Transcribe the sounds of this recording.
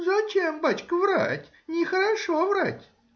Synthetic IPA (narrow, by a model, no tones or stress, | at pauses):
zɐt͡ɕembat͡ɕkəvɾa̰tʲ | nʲɪxəɾɐʂovɾatʲ